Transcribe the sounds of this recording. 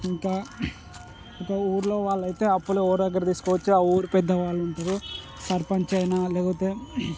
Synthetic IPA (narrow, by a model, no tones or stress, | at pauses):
iŋkaː | ikaːuːɾlo̞ːʋaːɭːɐjt̪e̞ːɐpːuluɔːɾd̪ɐɡːɐɾɐt̪iːsu̥kɔːʋɐt͡ʃːiaːuːɾupɛd̪ːɐʋaːɭːuɳʈud̪u | sɐɾpɐɲt͡ʃɐjnaːlɛːkpɐt̪eː